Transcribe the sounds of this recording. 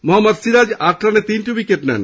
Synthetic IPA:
mɔɦɐmːɐd̪siɾad͡ʒak̚ʈɾanet̪inʈubikeʈnɛ̰n

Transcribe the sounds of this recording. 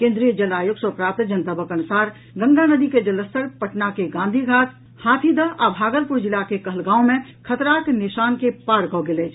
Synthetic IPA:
kẽːnd̪ɾijəd͡ʒɐlaːjʊɡsɔpɾaːp̚t̪d͡ʒənt̪əbəkənʊsaːɾ | ɡə̃ŋɡanəd̪iked͡ʒɐləst̪əɾpəʈnakeɡãːnd̪ʱiɡʱaːt̪ʰ | haːt̪ʰid̪aʔabʱaːɡəlpʊɾd͡ʒɪlakekɐɦəlɡãːõmẽkʰət̪ɾaːknɪʃaːnkepaːɾkɔːɡɪleːd͡ʒʰ

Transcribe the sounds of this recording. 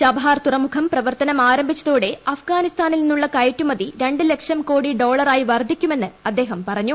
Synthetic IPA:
t͡ɕɐbʱaːrt̪urɐmukʰɐmprɐʋɐrt̪ɐnɐmaːɾɐmbʱit͡ɕːɐðoːɽe̞ɐfɡaːnist̪aːnilninːuɭːɐkɐjtːumɐðiɾe̞ɳɖɨle̞kʂɐmko̞ːɽiɖo̞ːɭɐraːjiʋɐrd̪ʱːikʲːume̞nːɨɐd̪ːe̞ːɦɐmpɐrɐɲːu

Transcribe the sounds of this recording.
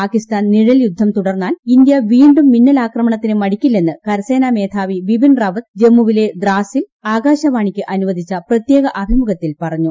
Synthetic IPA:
paːkist̪aːnniɻɐljud̪ʱːɐmt̪uɽɐrnːaːlind̪jɐʋiːɳɖumːinːɐlaːkrɐmɐɳɐt̪ːinɨmɐɽikʲːilːe̞nːɨkɐɾɐse̞ːnaːme̞ːt̪ʰaːʋiʋibinrɐʋɐt̪d͡ʑe̞mːuʋile̞d̪raːsil | aːɡaːɕɐʋaːɳikʲːɨʔɐnuʋɐd̪ʱit͡ɕːɐprɐt̪jeːɣɐʔɐbʱimuɣɐt̪ːilpɐrɐɲːu

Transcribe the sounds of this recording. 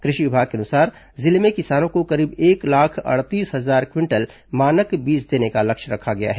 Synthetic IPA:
kɾɪʃiʋɪbʱaːɡ̚keɐnʊsaːɾ | zɪlmẽkɪsaːnõkokɐɾiːbeːklaːkʰɐ̰ɽt̪iːsɦɐzaːɾkwɪ̃ɳʈəl | maːnəkbiːd͡ʒd̪eːnekalɐkʃɾɐ̰kʰaɡɐja̰ɦɛː

